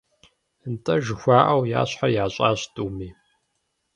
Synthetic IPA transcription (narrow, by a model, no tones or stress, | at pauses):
ntʼɐʒɨxʷaːʔɐwja̰ːɕħajaːɕʼaːɕtʼuːmiː